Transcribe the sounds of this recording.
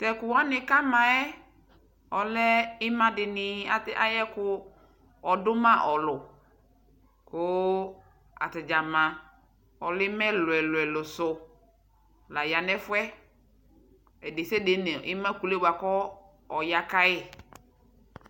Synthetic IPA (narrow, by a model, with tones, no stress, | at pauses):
tɛ˨kʊ˨wa˦nɪ˨ka˦mã˨ɛ˦ | ɔ˨lɛ˦ɪ˦mã˦dɪ˨nɪ˨a˦a˦jɛ˦kʊ˦ | ɔ˨dʊ˦mã˦ʔɔ˨lʊ˨ | kʊ˦ | a̰˨tɪ˨d͡ʒa˨mã˨ | ɔ˨lɪ˦mɛ̃˦lʊ˨ɛ˨lʊ˨ɛ˨lʊ˨sʊ˨ | la˨ja˨nɛ˦fʊ˦ɛ˦ | ɛ˨dɪ˨se˦de˦nɛ̃˨ʔɪ˦mã˦ku˨le˦wa˨kɔ˦ | ɔ˨ja˨ka˦ɛ˦